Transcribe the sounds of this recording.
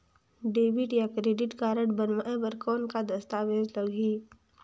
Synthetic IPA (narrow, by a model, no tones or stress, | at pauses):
ɖeːbɪʈjakɾeːɖɪʈɡaːɾəʈbənʋaẽbəɾkɔːnkad̪ɐst̪aːʋeːzləɡiː